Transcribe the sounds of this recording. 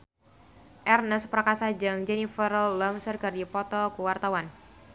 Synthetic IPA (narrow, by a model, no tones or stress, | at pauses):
ʔɛrnəspərkasad͡ʒaŋd͡ʒɛnifəɾəlːamsərɡardipɔt̪ɔkuwart̪awan